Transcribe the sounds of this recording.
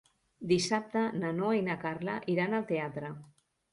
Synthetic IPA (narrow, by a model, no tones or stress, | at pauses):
d̪isap̚t̪ənanoinakarlaʔiɾanalˠt̪eat̪ɾə